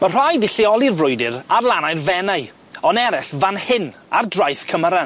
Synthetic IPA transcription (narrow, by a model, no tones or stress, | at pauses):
mar̥ajdɪɬiɔlˠirvrʊjdɪɾarlˠanajrvɛnaɨ | ɔnɛɾɛɬvanhɪnardrajθkʰəməɾan